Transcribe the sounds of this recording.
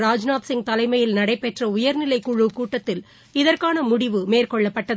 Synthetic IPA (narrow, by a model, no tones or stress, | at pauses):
ɾaːd͡ʒnaːt̪sɪŋɡt̪ɐlɐɪmɐjɪlnɐɽɐɪpːɛʈrɐʊjɐɾnɪlɐɪkuːɻɯkuːʈːɐt̪ːɪl | ɪðɐrkaːnɐmʊɽɪʋɯmeːrkɔɭːɐpːɐʈːɐð